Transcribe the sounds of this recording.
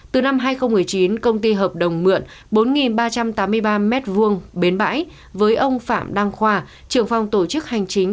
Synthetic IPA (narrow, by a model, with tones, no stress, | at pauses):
t̪ɨ˨˩na˧mɦaː˧jxə˧wŋ͡mmɨ˨˩əjt͡ɕi˨˦nkə˧wŋ͡mt̪i˧ɦəː˨˩p̚ɗə˨˩wŋ͡mmɨ̰˧˨ən | ɓo˨˦nŋi˨˩nɓaː˧t͡ɕa˧mt̪aː˨˦mːɨ˧əjɓaː˧mɛ˦˥t̚vu˧əŋɓe˨˦nɓa̰ː˧˥j | vəː˨˦jʔə˧wŋ͡mfa̰ː˧˨mɗa˧ŋxwaː˧˩ | t͡ɕɨ˧˩əŋfa˨˧wŋ͡mt̪o˧˩t͡ɕɨ˦˥k̚ha˨˩jŋ̟t͡ɕï˨˦ŋ̟